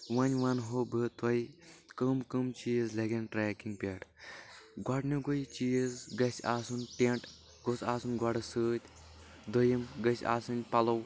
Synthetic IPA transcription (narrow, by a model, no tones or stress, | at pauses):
ʋɐnʲʋɐnɦobɨt̪ɐjkəmkɨmt͡ʃiːjzleɡenʈɾɛːkĩŋɡ̚pʲeʈ | ɡaɖnʲuɡojt͡ʃijzɡɐsʲaːsunʈeɳʈ | ɡosaːsunɡwaɖɨsɨːt̪ʲ | d̪ojimɡɐsʲa̰ːsɐnʲpɐlɐw